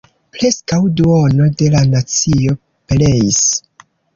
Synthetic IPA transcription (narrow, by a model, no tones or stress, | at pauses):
pɾe̞skawduono̞de̞lanat͡sio̞ | ple̞is